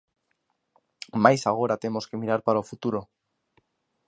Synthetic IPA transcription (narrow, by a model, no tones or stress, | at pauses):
majsaɣ̞o̞ɾat̪e̞mo̞ske̞miɾaɾpaɾaofut̪uɾo